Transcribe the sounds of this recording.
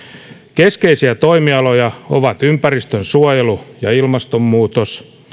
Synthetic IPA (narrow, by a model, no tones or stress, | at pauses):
keskeisiæt̪oimiɑlojɑo̰ʋɑt̪ympærist̪ønsuɑjelujɑilmɑst̪omːuːt̪os